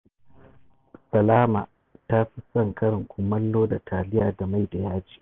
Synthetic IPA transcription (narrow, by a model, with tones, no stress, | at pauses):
sɐ˨laː˦ma˨ | ta˦ɸi˦sɐ˦˨ŋkɐ˦ɽɪ˨ŋkʷʰʊ˦mːɐ˦lːoː˦da˨tʰaː˨lɪ˦jaː˨da˨ma˦˨jda˨jaː˦d͡ʒi̥ː˦